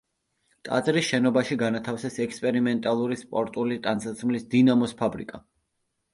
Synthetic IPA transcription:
t̪ʼa̰t̪sʼɾisʃɛnɔbaʃiɡanat̪ʰafsɛsɛkspʼɛɾimɛnt̪ʼalˠuɾispʼɔɾt̪ʼulit̪ʼansat̪sʰmlisd̪inamɔspʰabɾḭkʼa

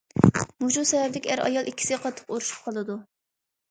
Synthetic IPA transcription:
muʒusɛvɛbd̪ɪkʲæɾʔɑ̰jɑlˠikʲʰːi̥sɪɡʲɛqʰɑt̪ʰːə̥quɾuʃu̥p̚qʰɑlˠɨd̪u

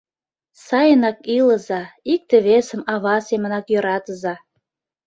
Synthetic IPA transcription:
sɑjənɑkiləzɑik̚t̪eβesə̆mɑβɑsemə̆nɑkjø̆ɾɑt̪əzɑ

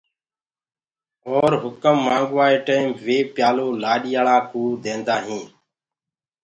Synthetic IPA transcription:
oːɾɦʊkəmːãːŋɡʋaːeːʈəːimʋeːpjaːloːlaːɗɪjaːɭaːkuːd̪ẽːnd̪aːɦĩː

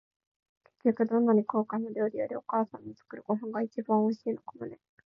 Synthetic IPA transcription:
ke̞̥kʲːokɯ̟d̪õ̞nːaɲ̟iko̞ːkanːod̪ʲo̞ːɾʲijoɾʲio̞kaːsãnːot͡sɨ̥kɯ̟ɾɯ̟ɡo̞ɦãŋɡait͡ɕibãɰ̃oiɕiːnokomone

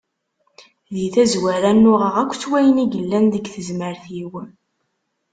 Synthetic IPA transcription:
ðiθæzwæɾænːʊʁəʁækʷːt͡sːwæjəniɡəlːænðəɡθəzməɾθiwə

